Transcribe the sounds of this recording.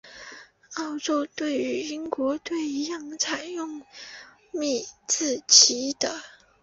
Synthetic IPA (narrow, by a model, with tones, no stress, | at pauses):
ɑ˥˧ʊʈ͡ʂo˥˧ʊt̪we˥˩ɪy˧˥i˥ŋkwɔ˧˥t̪we˥˩ɪi˧˥jɑ˥˩ŋt͡sʰa˨˩ɪjʊ˥˧ŋ | mi˥˩t͡sɹ̩˥˩t͡ɕʰi˧˥d̪̥ə˧